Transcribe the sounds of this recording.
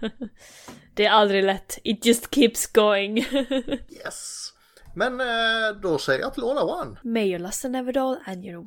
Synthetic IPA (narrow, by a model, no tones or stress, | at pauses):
d̪̥ɛæɾald̪ɾɪlɛt̪ːɪt̪̚dd͡ʒ̥ʌst̪kʰiːpsɡ̥oʊɪ̃ŋ | jɛ̰s | mɛnd̪ɔsɛjə̰ja̰ːt̪ʰɪlolawanmɛɪjəlɔstə̃nɛvədɔlə̃njɨnow